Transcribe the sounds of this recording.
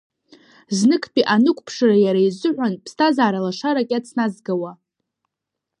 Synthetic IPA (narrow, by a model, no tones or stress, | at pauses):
znɨkʰpʼiʔanɨkʷʼpʰʂarajaɾaizɨʕʷᶣanpʰstʰazaːɾalaʂaɾakʲʼat͡sʰnazɡawa